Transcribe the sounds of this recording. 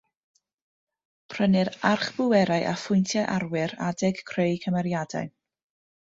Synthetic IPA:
pʰr̥ənɨɾarχb̥ʊwɛɾaɨʔa̰fʊjntʰjaʔarwɪɾadɛɡ̥kʰrejkʰəmɛɾjada̰ɨ

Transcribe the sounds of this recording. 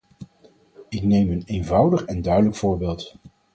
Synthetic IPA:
ɪknejmənejnvʌwdəχɛndœɥdələkfʊːɹbɪːlˠt

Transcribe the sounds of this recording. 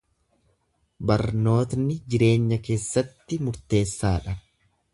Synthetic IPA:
bɐɾno̞ːt̪nɪd͡ʒɪɾe̞ːɲːɐke̞ːsːɐt̪ːɪmʊɾt̪e̞ːsːaːᶑɐ

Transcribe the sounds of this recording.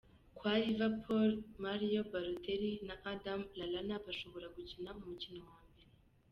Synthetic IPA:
kwaɾivapʰolmaɾijobaɾotʰeɾinaʔadamlalanaβaʃo̞βo̞ɾaɡucinaumucinowaːmbe̞ɾe

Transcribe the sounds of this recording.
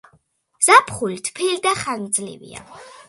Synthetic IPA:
z̥apʰχulit̪ʰpʰilid̪aχand̪zlḭvḭa̰

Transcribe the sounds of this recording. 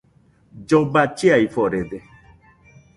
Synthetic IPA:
d͡ʒɔbat͡ʃeaifɔɾede

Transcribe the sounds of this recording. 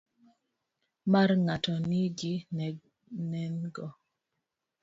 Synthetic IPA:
marŋatɔnɪɡinɛ | nɛnɡɔ

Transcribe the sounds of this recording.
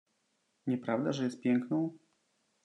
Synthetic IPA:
ɲɛpɾavd̪aʐɛjɛst̪̚pʲjɛŋknɔ̃w̃

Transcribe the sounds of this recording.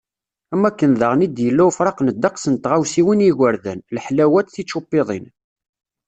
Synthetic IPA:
æmːækːənðəʁnid̪jəlːæfɾˤɑqnəd̪ːɑqsənt̪ʁawsiwinjiʝəɾðænlħlæwæt̪θit͡ʃːupːeðˤḭn

